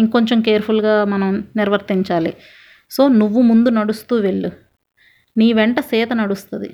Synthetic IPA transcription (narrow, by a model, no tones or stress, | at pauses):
iŋko̞ɲt͡ʃemkeːɾpʰulɡaːmɐnɐmniɾʋɐɾt̪iɲt͡ʃaːli | so̞ːnuʋːumund̪unɐɽust̪uːʋe̞ɭːu | niːʋɛɳʈɐsɛːt̪ɐnɐɽust̪uɐd̪ḭ